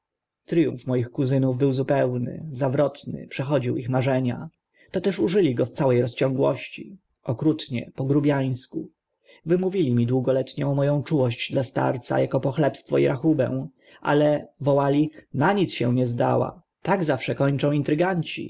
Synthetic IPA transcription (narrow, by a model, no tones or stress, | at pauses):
t̪ɾɘjṵ̃ɱfmɔjixkuzɘnuvbɘwzupɛwnɘ̰zavɾɔt̪nɘ̰pʂɛxɔd͡ʑiwixmaʐɛɲa̰ | t̪ɔt̪ɛʂuʐɘlʲiɡɔft̪sawɛjɾɔst͡ɕɔ̃ŋɡwɔɕt͡ɕi | ʔɔkɾut̪ɲɛ̰pɔɡɾubʲjaj̃sku | vɘmuvʲilʲimʲid̪wuɡɔlɛt̪ɲɔ̃w̃mɔjɔ̃w̃t͡ʂuwɔɕd͡ʑd̪last̪a̰ɾt̪sa̰jakɔpɔxlɛpst̪fɔḭɾʔaxubɛ̰̃w̃ | ʔa̰lɛvɔwalʲinaɲit̪sɕɛ̃ɲɛzd̪a̰wa̰ | t̪aɡzafʂɛkɔɲt͡ʂɔ̃w̃int̪ɾɘɡaɲt͡ɕḭ